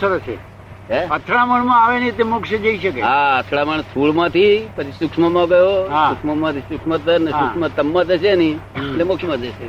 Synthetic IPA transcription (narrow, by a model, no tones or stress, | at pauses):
əɾəsḛ | ɦeət̪ʰɾaməɳmãaʋenit̪emʊkʃəd͡ʒəiʃəkeaət̪ʰɽaməɳt̪ʰuɭmãt̪ʰipət͡ʃʰisʊkʂməmãɡəjoɦasukʂməmãt̪isukʂmət̪ʰəɾneɦsʊkmãt̪əmːãt̪əʃʰenietlemʊkʃmãd͡ʒəʃe